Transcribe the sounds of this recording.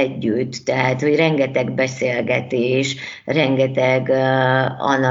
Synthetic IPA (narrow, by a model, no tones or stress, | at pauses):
ɟːyt̪ːɛɦæt̪ho̞ɟrɛŋɡɛt̪ɛɡbɛseːlɡɛt̪eːʃ | rɛŋɡɛt̪ɛɡ | ɒ̰nːɒ